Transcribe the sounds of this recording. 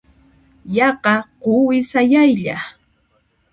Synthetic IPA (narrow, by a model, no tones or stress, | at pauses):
jɑqɑqʊwɪsajajʎa